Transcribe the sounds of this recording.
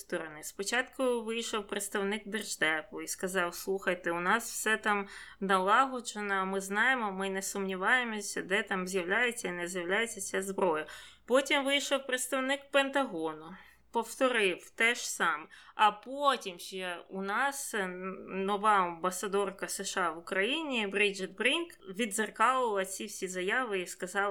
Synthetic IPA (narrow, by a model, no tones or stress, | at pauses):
st̪ɔɾɔnɪspɔt͡ʃɑt̪kʊʋɪjʃɔwpɾet̪st̪ɐwnɪk̚d̪ɪrʒd̪ɛpʊiskɐzɑwslˠuxɐjt̪ɪʊnɑswsɛt̪ɑm | nɐlˠɑɦɔt͡ʃenɔmɪznɑjemɔmɪnɛsʊmnʲiʋɑjemɔsʲɐd̪ɛt̪ɑmzʲjɐwlʲajet͡sʲːɐinɛzʲjɐwlʲajet͡sʲːɐsʲazbɾɔjɐpɔtʲimʋɪjʃɔwpɾet̪st̪ɐwnɪkpent̪ɐɦɔnʊ | pɔwt̪ɔɾɪwt̪ɛʃsɑmɐpotʲimʒɛʊnɑs | nɔʋɑɐmbɐsɐd̪ɔrkɐsɪʃɑʋʊkɾɐjinʲibɾid͡ʒɪt̪̚bɾinkʋʲid̪zɐrkɑlˠʊɐlˠɐt͡sʲiwsʲizɐjɑʋɪiskɐzɑlˠ